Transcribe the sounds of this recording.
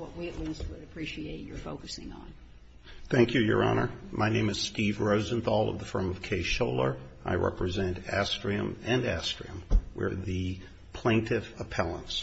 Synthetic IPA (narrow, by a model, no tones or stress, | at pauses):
wʌʔ̚wiɨʔwiswɨɾɨpʰɹ̥iʃieɪt͡ʃə˞foʊkɨsɪ̃ŋə̰̃n | θæ̃ŋkʰjɨjə̰˞ɑ̰nə˞maɪnẽɪ̃mɨz̥stivɹoʊzɨ̃nθɔlˠʌ̰vðəfɜ̃˞mʌv̥kʰeɪʃoʊlˠə˞ | a̰ɪɹʔɛ̰pɹɨzɛ̃ntæstɹ̥iɨ̰̃mɨ̃næstɹ̥iɨ̃mwə̰˞ðɨ | pʰl̥ẽɪ̃ntʰɪvəpʰɛlˠə̰̃ns